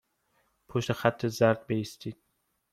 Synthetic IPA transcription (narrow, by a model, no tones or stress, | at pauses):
pʰoʃt̪exæt̪ʰːezæɾd̪̚beist̪iːd̪̥̚